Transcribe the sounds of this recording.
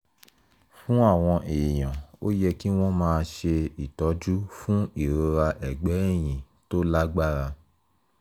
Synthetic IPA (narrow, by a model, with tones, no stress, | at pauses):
fũ˦a˦˨w̃ɔ̃˧ʔe˨j̃ɔ̃˨o˦jɛ˧ki˦w̃ɔ̃˦mãː˧ʃe˧i˨tɔ˨˦d͡ʒu˦fũ˦i˦˨ɾo˧ɾa˧ʔɛ˨ɡ͡bɛ˨˦ɛ˦˨j̃ĩ˨ | to˦la˦ɡ͡ba˦˨ɾa˧